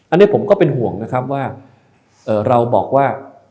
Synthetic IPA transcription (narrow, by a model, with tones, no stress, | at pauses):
ʔa˧nːi˦˥˩pʰo˩˦mkɔː˥˩pe˧nɦu˨˩˦əŋna˦˥kʰa˦˥p̬̚waː˥˩ | ʔɤː˨˩ɾa˧wbɔː˨˩k̚waː˥˩